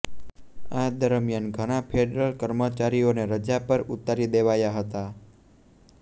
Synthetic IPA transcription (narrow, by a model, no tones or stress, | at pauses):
ad̪əɾmjanɡʱəɽ̃apʰeɖɾəlkəɾmət͡ʃaɾioneɾəd͡ʒapəɾut̪ːaɾid̪eʋajaɦət̪a